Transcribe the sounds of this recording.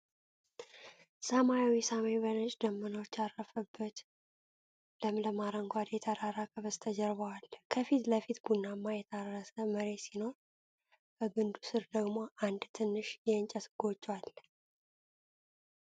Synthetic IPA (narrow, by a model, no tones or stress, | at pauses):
səmajawisamaeβənət͡ʃʼd̪əmːənowt͡ʃːarːəfəbːət̪ | ləmləmaɾəŋɡʷad̪jɛt̪ʰəɾaɾakʰəβəzt̪ʰəd͡ʒɛɾβəwalːəkʰəfit̪ləfit̪ɡunːamːajɛt̪ʰarːəsəməɾe̞sino̞ɾ | bəbɨnd̪usɨɾd̪əɡmoʔand̪t̪ʰɨnːɨʃjɛnt͡ʃʼət̪ʰɡ̥o̞t͡ʃʼːwal